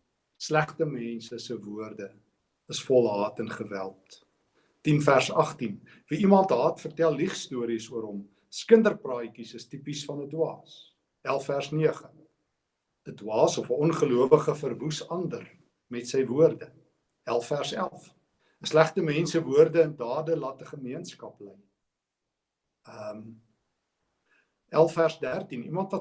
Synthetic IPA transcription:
slæχtəmɛnsəsəvuərdə | əsfɔlˠɦɑːtənχəvæ̰lˠtː | infærsɐχtin | viimɐntɦɑːtfərtælˠːiχstuəɾisuəɾɦɔm | skəndərprɑːjkisəstipisfɐnədwɑːs | ælˠfærsniəχə | ədwɑːsɔfəɔnχəluəvəχəfərvusɐndər | mɛtsəjvuərdə | ælˠfærsælˠf | əslæχtəmɛnsəvuərdəəndɑːdəlɐtəχəmiənskɐpləj | əm | ʔælˠfærsdærtinḭmɐntvɐ

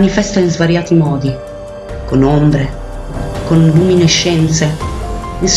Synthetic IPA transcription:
nifɛst̪ainzvaɾjaːt̪imɔːd̪i | konombɾe | konbumineʃːɛnt̪se | ins

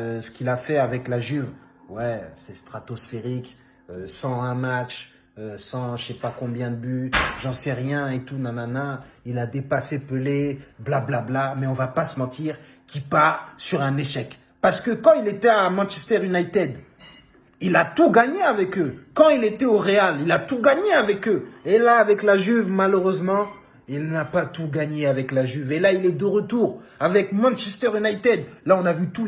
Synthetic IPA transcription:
sə̥kʲilafɛavɛklaʒyv | wɛsɛst̪χat̪ɔsfeʁik | øsɑ̃ɛ̃mat͡ʃ | øsɑ̃əsɛpakɔ̃bjɛ̃d̪əbyʒɑ̃sɛʁjɛ̃et̪unananailad̪epasepəleblablablamɛɔ̃vapasəmɑ̃t̪iʁ | kʲipaʁsyʁɛ̃neʃɛk | paʁsə̥kəkɑ̃ilet̪ɛamɑ̃nʃɛst̪ɛʁynajt̪ɛd̪ | ilat̪uɡaɲeavɛkøkɑ̃ilet̪ɛoʁealilat̪uɡaɲeavɛkøelaːvɛklaʒyvmaløʁøzmɑ̃ | ilnapat̪uɡaɲeavɛklaʒyvelailɛd̪əʁət̪uʁavɛkmɑ̃nʃɛst̪ɛʁynajt̪ɛd̪laɔ̃navyt̪u

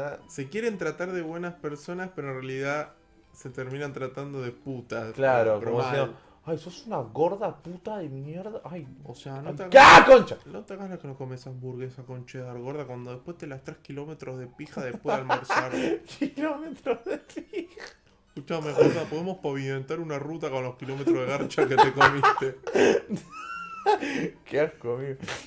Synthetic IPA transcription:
se̞kje̞ɾent̪ɾat̪aɾðe̞βwe̞naspeɾso̞naspeɾoenrealiða | se̞t̪eɾmĩnant̪ɾat̪and̪o̞ðeput̪aklaɾokɾomoesi | ajsosunaɣoɾðaput̪aðeminjeɾðaʔajoseanot̪eaɣkakont͡ʃanot̪akalakenohko̞mesazβuɾɣesakont͡ʃeðaɾɣo̞ɾðakwand̪o̞ðehpwe̞st̪elast̪ɾehkilo̞me̞t̪ɾozðe̞pixaðepweðalmoɾsaɾkʰilomet̪ɾoðepixa | kut͡ʃamexusapoðemo̞spaβient̪aɾunarut̪akõ̞nlo̞hkilo̞metɾoðeɣaɾt͡ʃaket̪ekomit̪e | keaskomio

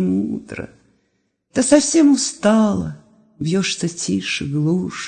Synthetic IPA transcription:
mud̪ɾə̰ | t̪ɨsɐfsʲemʊst̪ɑlˠə̰ | bjoʂsɨtʲʰiʂɨɡlˠuʂ

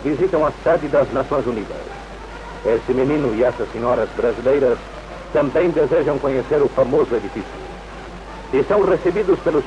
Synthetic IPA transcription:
vizit̪ɐ̃w̃ɐsɛðid̪ɐznɐsõj̃zuniðɐ̰s | esɨmeninʊiɛsɐsiɲɔɾɐzbɾɐzilejɾɐs | t̪ɐ̃mbẽj̃d̪ezeʒɐ̃w̃koɲeseɾʊfɐmozueðifisjṵ | isɐ̃w̃resebiðuspelus

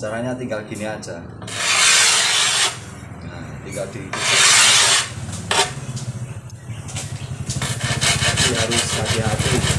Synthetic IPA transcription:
t͡ʃaɾaɲat̪iŋɡalɡ̥iniḁd͡ʒa | jat̪iŋɡald̪iit̪ut̪ʊ | t̪atiɦaɾʊskak̪iɦat̪i

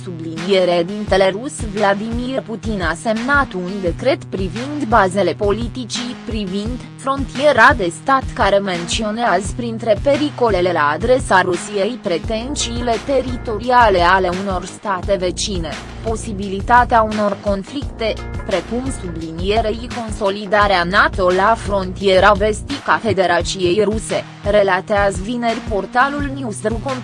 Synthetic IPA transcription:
sublinije̞ɾed̪int̪e̞le̞ɾusvlad̪imirput̪inase̞mnat̪und̪e̞kɾe̞t̪pɾivind̪baze̞le̞po̞lit̪it͡ʃipɾivind̪ | fɾo̞nt̪ie̞ɾad̪e̞st̪at̪kaɾe̞me̞nt̪sio̞neazpɾint̪ɾe̞pe̞ɾiko̞le̞le̞laːd̪ɾe̞saɾusije̞jpɾe̞t̪e̞nsiːle̞t̪e̞ɾit̪o̞ɾiale̞ale̞uno̞rst̪at̪e̞ve̞t͡ʃine̞ | po̞sibilit̪at̪eauno̞rko̞nflikt̪e̞pɾe̞kumsublinije̞ɾe̞iko̞nso̞lid̪aɾeanat̪o̞lafɾo̞nt̪ije̞ɾave̞st̪ikafe̞d̪e̞ɾat͡ʃije̞jɾuse̞ | ɾe̞lat̪eazvine̞rʲpo̞rt̪alulniust̪ɾukon

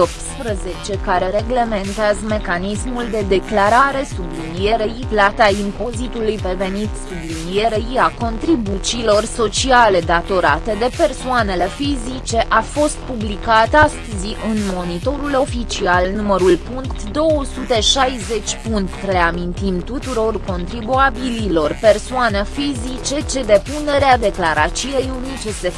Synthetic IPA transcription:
op̚t̪spɾəze̞t͡ʃe̞kaɾe̞ɾe̞ɡle̞ment̪eazəme̞kanismuld̪e̞d̪e̞klaɾaɾe̞sublinije̞ɾeiplat̪aimpo̞zit̪ulujpɾe̞ve̞nit̪sublinije̞ɾeiako̞nt̪ɾibut͡ʃilo̞rso̞t͡ʃiale̞d̪at̪o̞ɾat̪e̞d̪e̞pe̞rsoane̞le̞fizit͡ʃe̞ʔafo̞st̪̚publikat̪ast̪əziʔɨnmo̞nit̪o̞ɾulo̞fit͡ʃialnuməɾulpuŋkt̪d̪o̞wəsut̪e̞ʃajze̞t͡ʃʲpunt̪ɾeamint̪imt̪ut̪uɾo̞rko̞nt̪ɾibuabililo̞rpe̞rsoanəfizit͡ʃe̞t͡ʃe̞d̪e̞pune̞ɾead̪e̞klaɾat͡ʃiejunit͡ʃese̞

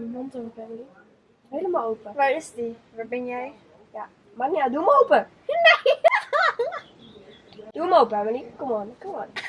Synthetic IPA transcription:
mɔntopɛʋəli | ɦejləmalˠowpəʋaɹɪsdi | ʋabɛnjɛj | ja | manjadumowpə | ne | d̥umowpəɛməlikomonkomon

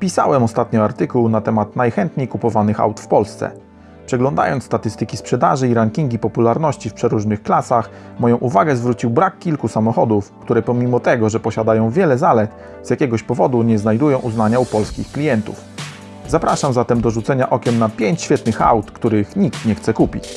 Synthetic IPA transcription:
pʲisa̰wɛmɔst̪at̪ɲɔaɾt̪ɘkuwnat̪ɛmat̪najxɛnt̪ɲejkupɔvanɘxa̰wt̪fpɔlst̪sɛ̰ | pʂɛɡlɔ̃nd̪a̰jɔnt̪t̪at̪ɘst̪ɘkʲispʂɛd̪aʐɘiɾaŋkʲiŋɡʲipɔpulaɾnɔɕt͡ɕifpʂɛɾuʐnɘxklasax | mɔjɔ̃w̃ʔuvaɡɛzvɾut͡ɕiwbɾakːʲilkusamɔxɔd̪ufkt̪uɾɛpɔmʲimɔt̪ɛɡɔʐɛpɔɕad̪ajɔ̃w̃vʲjɛlɛzalɛt̪ | zjakʲɛɡɔɕpɔvɔd̪uɲɛznajd̪ujɔ̃w̃ʔuznaɲaupɔlskʲixklʲijɛnt̪ṵf | zapɾaʂamzat̪ɛmd̪ɔʐut̪sɛɲaʔɔkʲɛmnapʲjeɲt͡ɕɕfʲjɛt̪nɘxa̰wt̪kt̪uɾɘxɲikt̪ɲɛxt̪sɛkupʲit͡ɕ

